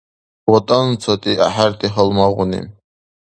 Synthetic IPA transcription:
wɔt̪ʼant͡sʰɔt̪ʼiaħaɾt̪ʼiɦəlmaʁʊnḭ

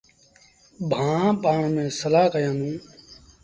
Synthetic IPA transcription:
bʱãːpaːɳmẽːsəlaːkəjãːnũː

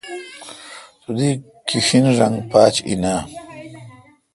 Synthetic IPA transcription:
t̪ud̪i | kiɕinʐaŋɡpaːt͡ɕḭna

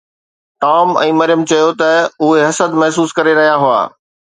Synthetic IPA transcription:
ʈaːmɛ̰̃ːmɐɾɪjəmt͡ɕɐjot̪ɐʊɦeɦɐsəd̪mɐɦsuːskɐɾeɾɐɦijaɦʊa̰ː

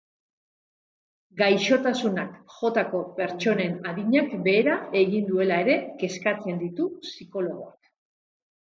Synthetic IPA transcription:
ɡajʃo̞t̪asunakʝo̞t̪ako̞pe̞ɾt͡ʃo̞ne̞naðiɲakbe̞ːɾae̞ɣind̪ue̞lae̞ɾe̞ke̞skat͡se̞nd̪it̪usiko̞lo̞ɣ̞o̞ak

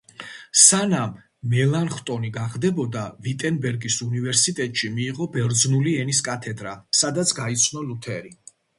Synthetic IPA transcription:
sanamː | ɛlˠanχt̪ʼɔniɡaʁd̪ɛbɔd̪avit̪ʼɛnbɛɾɡisunivɛɾsit̪ʼɛt̪ʼʃimiːʁɔbɛɾd̪znuliɛniskʼat̪ʰɛd̪ɾasad̪at̪sʰɡait̪sʰnɔlut̪ʰɛɾi

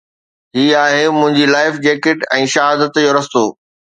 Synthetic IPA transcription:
ɦiːaːɦemʊ̃ɦɪ̃ɲd͡ʑilaːɪfd͡ʑeːkɪʈɛ̃ːʃɐɦaːd̪ət̪joːɾɐst̪oː

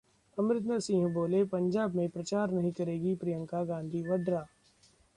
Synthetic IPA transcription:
ɐmɾɪt̪nəsĩːɦboːlepɐ̃ɲd͡ʒaːbmẽpɾɐt͡ʃaːɾnɐɦĩkɐɾeːɡipɾijə̃ŋkaɡãːnd̪ʱiʋɐɖɾaː

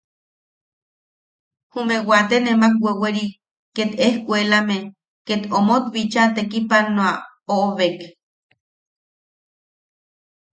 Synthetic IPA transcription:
humewat̪enemak̚weweɾi | kːet̪ehkʷelame | ket̪omot̪βit͡ʃat̪ekipanoa | ooβek

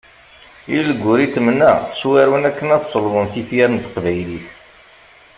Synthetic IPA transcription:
illəɡʷːʊɾit̪ːəmənːæswæɾwənækːənæθsˤəlvənθifjæɾnt̪ə̥qvæjliθ

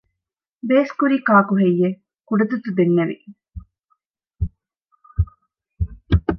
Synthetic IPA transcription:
beːskuɾiːkaːkuɦejːe | kuɖɐt̪ut̪ud̪enːeʋḭ

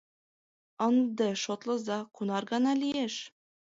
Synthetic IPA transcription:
ɒnd̪ɤʃot̪lˠɤ̆zɑqunɑɾɡɑnɑlʲijeʃ

